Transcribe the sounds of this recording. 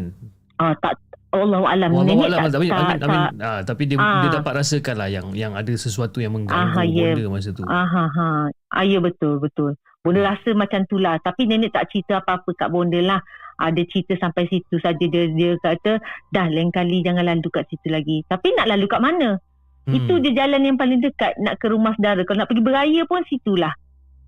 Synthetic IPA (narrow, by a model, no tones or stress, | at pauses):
ɔt̪aʔolːaɦwa̰lamnɛ̃nəʔlaaait̪aaat̪apidiəadiədapat̪̚ɾasəkanlahjaŋjaŋadasəsuat̪ujaŋməŋɡãɦãjədəmas̬ət̪uãɦãɦãʔa̰jəbət̪ʊlbət̪ʊl | b̥ɔndəɾasəmat͡ʃamt̪ulaht̪apinəniʔt̪aʔt͡ʃit̪əapaapəka̰ʔbɔndəlahʔa̰dat͡ʃit̪əsampajsit̪usad͡ʒədiədiəkat̪ədahlaiŋkalid͡ʒaŋãnlalukaʔsit̪ulaɡit̪apinaʔlalukaʔmanə̃ | it̪udiəd͡ʒalanjaŋpalɪŋdəkat̪̚naʔkəɾumahsədaɾəkalonaʔpəɡibəɾajəpʊnsit̪ulah